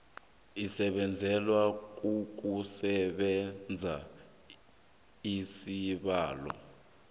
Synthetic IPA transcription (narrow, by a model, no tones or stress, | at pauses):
isɛɓɛnd͡zʱɛlwak̬uk̬usɛɓɛnd͡zʱa | isiɓaːlɔ̰